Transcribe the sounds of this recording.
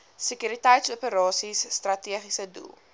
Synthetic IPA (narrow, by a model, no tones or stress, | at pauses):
səkyɾitɛjtsuəpəɾɑːsisːtrɐtiəχisədṵlˠ